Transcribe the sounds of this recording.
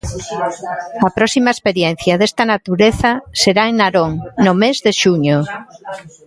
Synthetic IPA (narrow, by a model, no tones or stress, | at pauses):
ɐpɾɔsimaespeɾjen̟θjaðest̪anat̪uɾeθaseɾaeŋnaɾoŋnʊmezðeʃuɲo